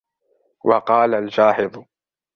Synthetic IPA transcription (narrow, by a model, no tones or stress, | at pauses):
wʔɑqɑːlalfaːħɪðˤ